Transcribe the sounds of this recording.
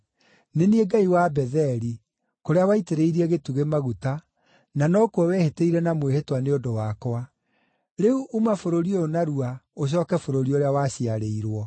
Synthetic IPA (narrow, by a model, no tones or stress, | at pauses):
nenieɡaiwabɛðɛɾi | koɾeawaiteɾeiɾiɛɣetuɣemaɣuta | nanɔkwɔwɛheteiɾɛnamwehetwaneodowakoa | ɾeuʔumafoɾoɾioonaɾuaoɕ̬ɔːkɛfoɾoɾioɾeawaːɕiaɾeiɾwɔ